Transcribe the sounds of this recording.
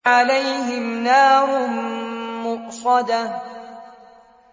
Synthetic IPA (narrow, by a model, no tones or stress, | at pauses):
ʕalajɦɪmnaːɾˤʊ | mʊʔsˤɑd̪a